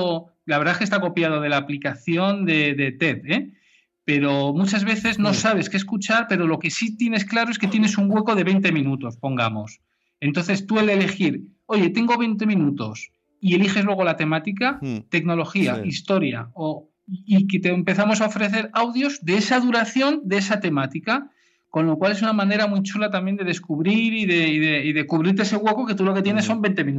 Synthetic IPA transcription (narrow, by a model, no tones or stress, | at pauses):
laβɾðaekest̪ako̞pjað̞o̞ð̞e̞laːplikaθjo̞nd̪e̞ðe̞t̪e̞t̪e | pe̞ɾo̞mut͡ʃazβe̞θe̞zno̞saβ̞e̞skeskut͡ʃaɾpe̞ɾo̞lo̞ke̞sit̪je̞ne̞sklaɾoe̞ske̞t̪je̞ne̞suŋɡwe̞ko̞ðe̞β̞e̞jnt̪e̞mĩnut̪o̞spo̞ŋɡamo̞s | e̞nt̪o̞nθe̞st̪ue̞lele̞xiɾo̞ʝe̞t̪e̞ŋɡo̞βe̞jnt̪e̞mĩnut̪o̞s | ie̞lixe̞zlwe̞ɣo̞lat̪e̞mat̪ikat̪e̞kno̞lo̞xia̰ist̪o̞ɾja̰o | iket̪empe̞θamosaofɾe̞θe̞ɾawðjo̞zðe̞esað̞uɾaθjo̞nd̪e̞esat̪e̞mat̪ika | ko̞nlo̞kwale̞sunamãne̞ɾamujt͡ʃulat̪amje̞nd̪e̞ðe̞skuβɾiɾiðe̞iðe̞iðe̞kuβɾiɾt̪̬eese̞ɣwe̞ko̞ke̞t̪ulo̞ke̞t̪jene̞sːo̞mbent̪e̞mĩn